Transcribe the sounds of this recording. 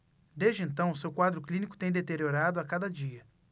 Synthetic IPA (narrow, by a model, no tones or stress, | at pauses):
d̪ezd͡ʒɪẽnt̪ɐ̃w̃ʊsewkwad̪ɾʊklĩnikʊ̥t̪ẽj̃d̪et̪eɾioɾad̪ʊakad̪ɐd͡ʒiɐ